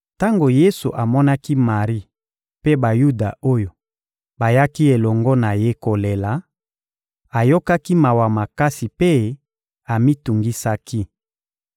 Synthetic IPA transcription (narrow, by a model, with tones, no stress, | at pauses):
ta˦ŋɡo˨je˦su˨ʔa˨mɔ˦na˦ki˦ma˨ʁi˦ | pe˦ba˨ju˦da˨o˦jo˨ | ba˨ja˦ki˦e˨lɔ˨ŋɡɔ˦na˨je˦ko˨le˨la˨ | a˨jo˦ka˦ki˦ma˨wa˨ma˨ka˦si˨pe˦ | a˨mi˦tu˨ŋɡi˦sa˦ki˦